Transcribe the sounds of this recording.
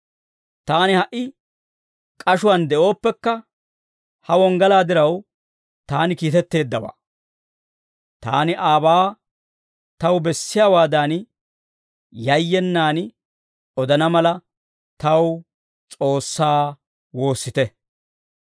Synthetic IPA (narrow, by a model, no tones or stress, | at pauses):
t̪aːnɪhɐʔɪ | kʼɐʃʊwɐnd̪ɛʔo̞ːpːɛkːɐ | hɐwɔŋɡɐlaːd̪ɪɾɐw | t̪aːnɪkiːt̪ɛt̪ːe̞ːd̪ːɐwa̰ː | t̪a̰ːnɪʔaːbaː | t̪ɐwbɛsːɪjaːwaːd̪aːn | jɐjːɛnːaːn | ɔd̪ɐnɐmɐlɐ | t̪ɐw | t͡sʼo̞ːsːaː | wo̞ːsːɪt̪ɛ